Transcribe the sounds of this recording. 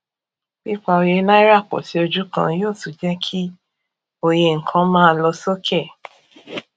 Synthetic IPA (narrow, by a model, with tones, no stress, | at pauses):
k͡pi˦k͡pa˧o˨˧je˧˦nã˦i˦ɾa˦˨k͡pɔ̰˨ti˨˦o˧d͡ʒu˦kã̰˧joː˦˨tu˨d͡ʒɛ˦kʰi˦ | o˨je˧˨ŋ̩˨kʰã˧˦mãː˦˧lɔ˧so˦kʰɛ˦˨